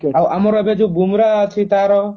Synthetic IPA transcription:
awʔamɔɾɔbed͡ʒubumɾat̪ʰit̪aɾɔ

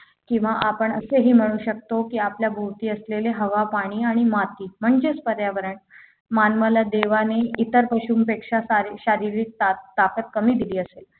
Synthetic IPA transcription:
kĩw̃ʋaʔapəɳəseɦiːm̤əɽ̃uːɕək̚t̪okiːapljabʱowt̪iːəsleleɦəʋapaɽ̃iːaɽ̃imat̪iːm̤əɳd͡ʑespəɾjaʋəɾəɳ | manməlad̪eʋaneit̪əɾpəɕuːmpekʂasaɾiɕaɾiɾiːk̚t̪at̪akət̪̚kəmiːd̪iliːəsel

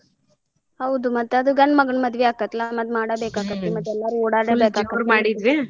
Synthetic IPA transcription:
hɐʋd̪umɐt̪ːɐd̪uɡɐɳːmɐɡɐɳmɐd̪ʋeaːkɐt̪lamɐd̪maːɽɐbeːkaːɡɐt̪ːemɐt̪ːɛlːaːɾuɔːɽaːɽebeːkaːkɐɾmaːɽid̪ʋi

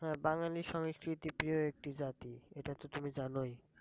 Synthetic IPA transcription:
ɦɛbaŋlaliʃɔŋskɾit̪ipɾioek̚ʈid͡ʑat̪ieʈat̪ot̪umid͡ʑanoj

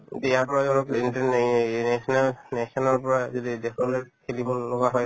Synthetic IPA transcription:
tɛjapɔɹazɔnɔkintanɛsɔnalnɛsɔnɔɹpɔɹazodidɛkʰɔlɔjkʰelibɔlɔɡaɦɔj

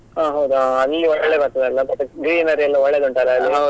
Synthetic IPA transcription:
aːɦɐwd̪uaɐlːiɔɭɭːebɐɾt̪ɐd̪eɐlːɐbɐʈ̪ːuɡɾiːnɐɾiɐlːɐɔɭːed̪uɳʈaleɐlːiɦa

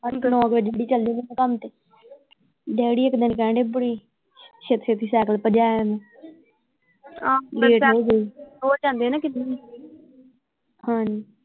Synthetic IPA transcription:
knõãkɪd͡ʒːɽiːt͡ʃəld̪iɡiːɛ̃kəmt̪eː | ɖɛːɽiːɪkd̪ɪnkɛ̃ːɳɖeːbəɽiː | ʃet̪ʃet̪iːsɛːkəlpəd͡ʒaːɛmɛ̃ː | ãːleːʈːod͡ʒeːoːt͡ʃãːnd̪eːnãːkɪnːi | hãːd͡ʒ

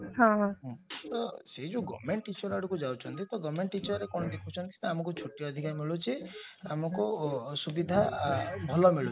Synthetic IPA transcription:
ɦɔ̃ɦɔ̃ɦɔ̃t̪ɔseɦid͡ʒuɡɔ̰meɳʈːit͡ʃɔɾaɽukud͡ʒawt͡ʃʰɔnt̪it̪ɔɡɔmeɳʈːit͡ʃɔɾɾekɔɽ̃ɔd̪ekʰut͡ʃʰɔnt̪i̥t̪ɔamɔŋkut͡ʃʰoʈːijɔd̪ʱikaɾmiɭut͡ʃʰiamɔkusubid̪ʱabʱɔlɔmiɭu

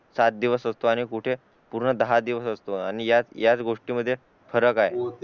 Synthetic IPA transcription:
sat̪̚d̪iʋəsəst̪oaɽ̃ikuʈʰe | puɾɳəd̪əɦad̪iʋəsəst̪oañijat͡sjat͡sɡoʂʈiməd̪ʱːje | fəɾəkaɦe

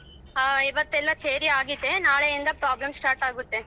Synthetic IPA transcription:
iʋɐt̪ːɛlːɐseːɾiaːɡid̪ːe̞naːɭeind̪ɐpɾaːblɐmsʈaːɾʈaːɡut̪ːe̞

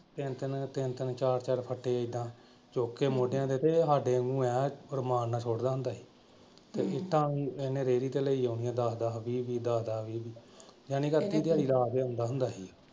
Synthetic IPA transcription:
t̪ɪnt̪ɪnt̪ɪnt̪ɪnt͡ʃaːɾt͡ʃaːɾpʰəʈʰːeːɪd̪ãː | t͡ʃoːkːeːmoːɖjãːd̪eːt̪eːɦaːɖeːəŋɡũːɛːəɾmaːnːaːsʰoːɽd̪aːɦʊnd̪aːɦiː | t̪eːʔɪʈ̪ʰːãːiːenẽːɾeːɾiːt̪eːləiːoːnijãːd̪aːd̪aːʋiːʋiːd̪aːd̪aːʋiːʋiːd͡ʒaːnĩːkət̪ːiːd̪aːɽiːlaːɡeːõʊ̃nd̪aːɦʊnd̪aːɦiː

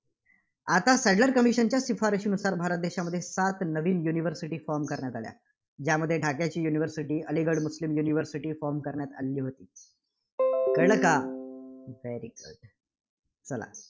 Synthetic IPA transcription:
at̪asɛɖləɾkəmiɕənt͡ɕjasifaɾiɕiːnusaɾbʱaɾət̪̚d̪eɕaməd̪ʱːjesat̪nəʋiːnjuniʋəɾsiʈiːfɔɾmkəɾɳjat̪alja̰ | d͡ʑjaməd̪ʱːjeʈakjat͡ɕiːjuniʋəɾsiʈiːəliɡəɽmuslimjuniʋəɾsiʈiːfɔɾmkəɾɳjat̪a̰lːiːɦot̪iː | kəɭka | ʋeɾiɡə̰ɖ | t͡səla̰

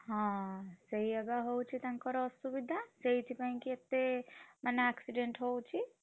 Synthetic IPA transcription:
ɦãsəɦiəɡaɦowt͡ʃʰit̪aŋkɔɾsubid̪ʱasəɦitʰipaɦĩkiet̪ːemaneaksiɖeɳʈɦowt͡ʃʰi

